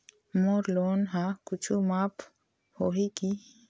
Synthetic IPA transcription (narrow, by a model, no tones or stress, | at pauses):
moːɾloːnɦakʊt͡ʃʰumaːpʰ | hoːɦiki